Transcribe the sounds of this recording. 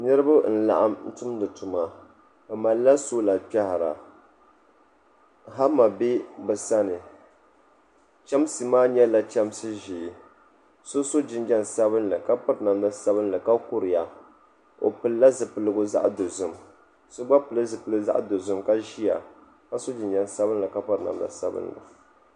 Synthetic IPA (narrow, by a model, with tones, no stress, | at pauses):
nɨ˦ɾɨ˦ba˦n̩˦˨la̰˨ʔa̰˦mn̩˦tʊ˦m˦dɨ˨tu˨ma˨ | ba˨ma˨lːa˦so˦la˨pɛ˦ha˨ɾa̰˨ | ɦa˦ma˨bɪ˦bɨ˨sa˦nɨ˨ | t͡ʃɛ˦m˦sɨ˨maː˦ɲɛ˦la˦t͡ʃɛ˦m˦sɨ˦ʒi˨ | so˦so˦d͡ʒɪ˦nd͡ʒɛ˦n˨sa˦bɨ˦nlɨ˨ka˦pɨ˦ɾna˨mla˦sa˦βɨ˦n˦lɨ˨ka˦kʊ˦ɾɨ˨ja˨ | o̰˨pɨ˨lla˦zɨ˨pɨ˨lɨ˦ɡʊ˦za̰˦ʔdo˨zʊ˨m | sʊ˦ɡ͡ba˦pɨ˨lɨ˦zɨ˨pɨ˦lɨ˦ɡza̰˦ʔdo˨zʊ˦mka˦ʒi˦ja˨ | ka˦so˦d͡ʒɪ˨nd͡ʒɛ˦˨nsa˦βɨ˦n˦lɨ˨ka˦pɨ˦ɾna̰˨mda̰˨sa˦bɨ̰˦nlɨ̰˨